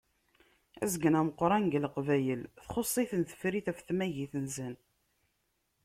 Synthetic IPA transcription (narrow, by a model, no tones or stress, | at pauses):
æ̰zɡənæməqːɾˤɑnɡəlqvæjəlθχosˤːiθənθə̥fɾiθæfθmæʝiθənzən